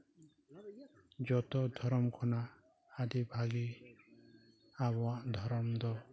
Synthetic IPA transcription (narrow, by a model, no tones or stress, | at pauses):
d͡ʒɔt̪ɔd̪ʱɔɾɔmkʰɔna | ad̪ibʱaɡi | abɔwaʔd̪ʱɔɾɔmd̪ɔ